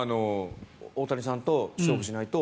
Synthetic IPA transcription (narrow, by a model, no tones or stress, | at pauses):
ano | oːt̪aɾʲisãnt̪o̞ɕoːɡɯ̟ɕinait̪o̞